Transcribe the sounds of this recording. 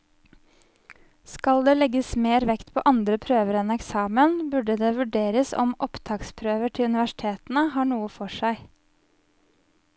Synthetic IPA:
skɑld̪eːlɛɡəsmeːɾʋɛkt̪pʰo̰ːʔɑnd̪ɾəpʰɾøːʋəɾɛnɛksɑːmənbʉɖəd̪eːʋʉɖeːɾəsɔ̰mʔɔpt̪ʰɑːkspʰɾøːʋəʈʰɪlʉnɪʋæʂɪ̥t̪ʰeːt̪n̩əhɑːɳuːəfɔʂæɪ

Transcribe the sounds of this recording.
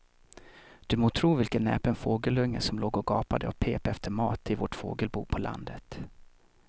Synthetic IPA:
d̪̥ɵmoːt̪ʰɾuːvɪlkənːɛ̰ːpənfoːɡəlɵŋːəsɔmloːɡɔɡɑːpad̪əɔpʰeːpɛft̪ʰəɾmɑːt̪ʰɪvoːʈfo̰ːɡəlbṵːpʰɔlʔa̰nd̪ət̪

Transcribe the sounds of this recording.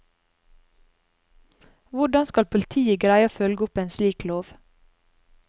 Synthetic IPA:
ʋʊɖɑnskɑlpʰʊlɪt̪ʰiːəɡɾæɪəfœlɡəʊpeːnsliːkloːʋ

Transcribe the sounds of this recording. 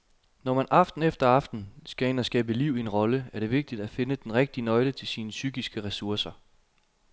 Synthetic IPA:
nɒmænʔɑ̈fd̥n̩efd̥ɐɑ̈fd̥n̩sɡ̥æe̝næsɡ̥ɛ̰ːb̥əliʊ̰ie̝nʁɒ̽ləæɐɾ̥e̝ʋe̝ɡ̥̚d̥id̥æfe̝nəd̥enʁeɡ̥̚d̥inɒ̽ɪlət͡sʰe̝lsiːnəsyɡ̥isɡ̥əʁɛsuɐsɐ

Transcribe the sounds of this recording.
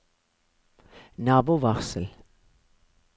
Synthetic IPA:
nɑːbuːʋɑʁsəl̩

